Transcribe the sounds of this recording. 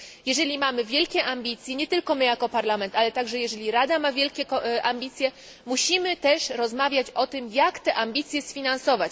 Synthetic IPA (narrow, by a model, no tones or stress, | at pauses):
jɛʐɛlʲimamɘvʲjɛlkʲɛʔamʲbʲit̪sʲjɛɲɛt̪ɘlkɔmɘjakɔpaɾlamɛnt̪alɛt̪aɡʐɛjɛʐɛlʲiɾad̪amavʲjɛlkʲɛkɔʔamʲbʲit̪sʲjɛ | muɕimɘt̪ɛʂɾɔzmavʲjat͡ɕɔt̪ɘmjakt̪ɛʔamʲbʲit̪sʲjɛsfʲinansɔvat͡ɕ